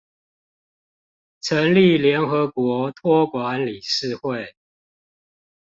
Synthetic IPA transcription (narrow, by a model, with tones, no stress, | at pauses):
ʈ͡ʂʰə˨˦nli˥˨ljɛ˨˦nxɤ˧˦kwɔ˨˧˥t̪ʰwɔ˥˧kwa˧˦nli˨˩ʂɻ̩˥˧xwe˥˨ɪ